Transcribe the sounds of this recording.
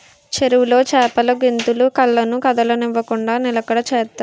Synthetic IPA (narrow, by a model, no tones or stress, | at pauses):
t͡ʃeɾuwulo̞ːt͡ʃɛːpɐlɐɡint̪ulukɐlːɐnukɐd̪ɐlɐniʋːɐkuɳɖaːnilɐkɐɽɐt͡ʃɛːt̪ːa